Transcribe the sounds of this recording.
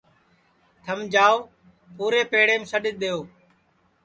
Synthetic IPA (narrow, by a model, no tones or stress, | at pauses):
t̪ʰəmd͡ʒaːoː | puːɾeːpeːɽeːmsəɗɪɗ̪eːoː